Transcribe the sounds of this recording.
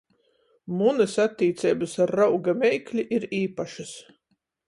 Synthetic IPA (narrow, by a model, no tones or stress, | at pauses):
munɐsat̪ʲːiːt̪sʲɛːbɨsaɾːawɡamʲɛjklʲiʔiɾiːpaʃɨs